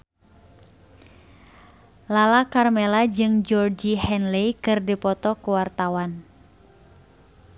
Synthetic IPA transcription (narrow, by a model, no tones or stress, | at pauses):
lalakarmɛlad͡ʒɨŋd͡ʒɔrd͡ʒihɛnlɛjkɨrdipɔt̪ɔkuwart̪awan